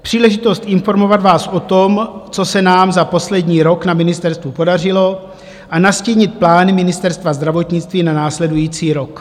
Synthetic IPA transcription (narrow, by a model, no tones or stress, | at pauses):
pr̝̥iːlɛʒɪt̪o̞st̪ʔɪnfo̞ɾmo̞vad̪vaːsʔo̞t̪omt͡so̞sɛnaːmzaposlɛdɲiːɾo̞knamɪnɪst̪ɛɾst̪vupo̞dar̝ɪlo̞ | ʔanasciːɲɪt̪̚plaːnɪmɪnɪst̪ɛɾst̪vazd̪ɾavo̞t̪ɲɪt͡st̪viːnanaːslɛdujiːt͡siːɾo̞k